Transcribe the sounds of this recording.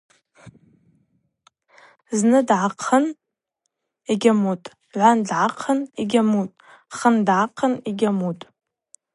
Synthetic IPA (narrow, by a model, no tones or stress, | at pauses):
znɨdʕaqʰən | iɡʲamutʼ | ʕʷandʕaqʰəniɡʲamutʼ | χəndʕaqʰəniɡʲamutʼ